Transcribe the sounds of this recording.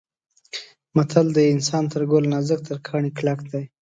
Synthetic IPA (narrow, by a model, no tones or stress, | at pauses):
mat̪ʰald̪əɪnsɑnt̪əɾɡolnazək̚t̪əɾkʰɑɳiklakd̪aj